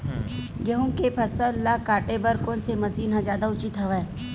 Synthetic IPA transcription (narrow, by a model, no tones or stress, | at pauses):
ɡeɦũkepʰɐsəllakaːʈebəɾkoːnsemɐsiːnɦãzjaːd̪aʊt͡ʃit̪ɦɐʋɛ